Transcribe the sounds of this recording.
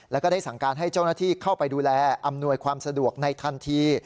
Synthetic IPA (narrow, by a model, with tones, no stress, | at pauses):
lɛː˦˥kɔ˥˩da˥˩jsa˩˦ŋkaː˧nɦa˥˩jt͡ɕa˥˩wnaː˥˩t̪ʰiː˥˩kʰa˥˩wpa˧jduː˧lɛː˧ʔa˧mnu˧əjkʰwaː˧msa˧du˨˩ək̚na˧jt̪ʰa˧nt̪ʰiː˧